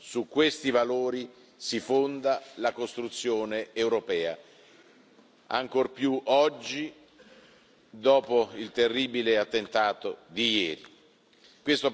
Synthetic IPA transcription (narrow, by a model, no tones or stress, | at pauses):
sukːwest̪ivaloːɾi | sifond̪alakost̪ɾut̪sːjoːneːwɾopɛːa̰ | a̰ŋkorpjuʔɔd͡ʒːi | d̪ɔːpoilt̪erːiːbileat̪ːent̪aːt̪od̪ijɛːɾḭ | kwest̪o